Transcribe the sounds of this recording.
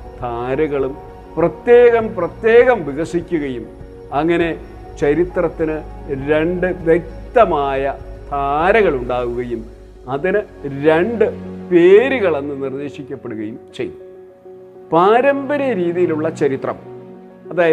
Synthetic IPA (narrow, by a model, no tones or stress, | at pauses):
t̪ʰaːɾɐɣɐɭum | prɐt̪je̞ːɣɐmprɐt̪je̞ːɣɐmʋiɣɐʂikʲːuɣɐjum | ɐŋːɐne̞ | t͡ɕɐɾit̪rɐt̪ːinɨɾe̞ɳɖɨʋjek̚t̪ɐmaːjɐt̪ʰaːɾɐɣɐɭuɳɖaːʋuɣɐjum | ɐðinɨ | ɾeɳɖɨpe̞ːɾuɣɐɭe̞nːɨnird̪e̞ːɕikʲːɐpːeɽuɣɐjumt͡ɕḛj̰ː | paːɾɐmbɐɾɐɾiːðijiluɭːɐt͡ɕɐɾit̪rɐ̰m | ɐðaːjɐ